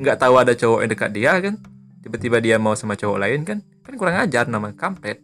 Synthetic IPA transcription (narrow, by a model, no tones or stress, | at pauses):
ŋɡaʔt̪auadat͡ʃɔwɔʔadəka̰t̪̚diakan | t̪ibat̪ibadiamausamat͡ʃɔwɔʔlaɪnkan | kankuɾaŋad͡ʒarnamakampɛt̪̚